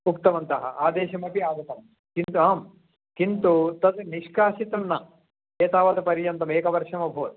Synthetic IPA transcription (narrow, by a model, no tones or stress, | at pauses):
ukt̪ɐmɐnt̪ɐɦɐ̰ʔaːd̪eːʃɐmɐpiaːd̪ɐt̪ɐm | kint̪uaːm | kint̪ut̪ɐt̪niʃkaːʃit̪ɐnnɐ | eːt̪aːʋɐt̪ɐpɐɾjɐnt̪ɐmeːkɐʋɐɾʂɐmɐbʱoːt̪̚